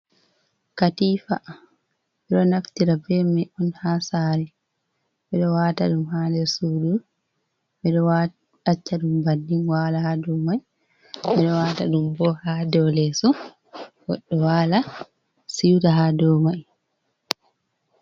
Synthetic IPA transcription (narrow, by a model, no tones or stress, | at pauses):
katifa | bɛɗɔnaftiɾabɛmɛʔɔnhasaːɾɛ | bɛɗɔwataɗumhaːlɛɾsuɗu | ɓɛɗɔwa | at͡ʃːaɗumbandinwaːlahadɔmaj | bɛɗɔwata̰ɗumbɔhadɔlɛsɔ | wɔ̰ɗːɔwala | siwtaɦadɔmaj